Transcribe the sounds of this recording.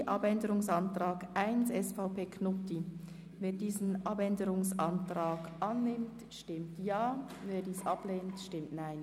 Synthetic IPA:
ʔɑbɛndəʁʊŋsɑntʁ̥aːɡʔaɪnsɛsfaʊpeːkʰnʊti | veːdiːzn̩ʔɑbɛndəʁʊŋsʔɑntʁ̥aːɡʔɑnːɪmtʃtɪmtjaː | veːɾdiːsʔɑbleːntʃtɪmtnaɪn

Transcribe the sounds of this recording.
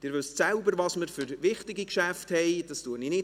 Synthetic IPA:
d̥ɪːɾvøssɛlbəɾvɑsməɾfʏɾvɪχtɪɡikʃæfthɛɪd̥ɑstuəninɪ

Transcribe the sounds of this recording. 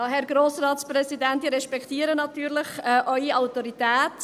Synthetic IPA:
ɦɛɾɡɾoːsrɑːt̪sprɛsidɛntiːɾɛʃpɛkʰt̪iːəɾənɑtyːɾlɪχɛʔœʏiawtɔɾit̪æːt

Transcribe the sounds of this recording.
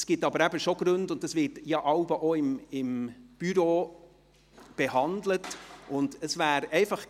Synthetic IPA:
sɡ̥ɪtɑbəɾæbəʃoɡ̥ɾʉndʊntːɑsvɪtjɑʔɑʊbəʔoɪmɪmb̥yɾoː | b̥ehɑndlətʔʊndəsvæːɾɛɪfɑχ

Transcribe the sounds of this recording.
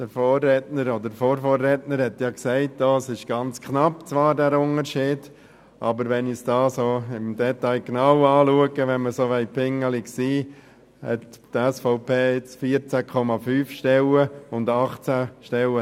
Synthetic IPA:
d̥əfoːrɛtnəɾodəɾfoːɾfoːrːɛtnəɾhɛtjɑksɛɪtdosɪʃɡ̥ɑnt͡skʰnɑpt͡sʋɑːɾdæːɾʊnəɾʃiːd̥ | ʔɑbəɾʋɛnisd̥ɑːsoːɪmd̥ɛtɑɪɡ̥nɑʊɑːluəɡəʋɛnməsoːʋɛɪpʰɪŋəliksiː | hɛ̰ttɛsfɔʊpeːɪt͡sfiːəɾt͡sækʰɔmɑfyːfʃtɛləʊndɑχt͡sæʃtɛlə

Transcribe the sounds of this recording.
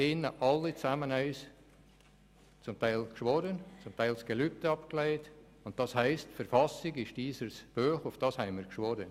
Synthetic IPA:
ɪnəʔɑlːit͡sæmənɛɪs | t͡sʊmtæɪlkʃʋɔɾənt͡sʊmtæɪlsɡ̥elyp̚təɑpkleɪt | ʊnt̚d̥ɑshæɪstfəɾfɑsɪɡɪʃd̥iːsəsb̥øːχʊfd̥ɑːshɛɪmiːɾkʃʋɔɾən

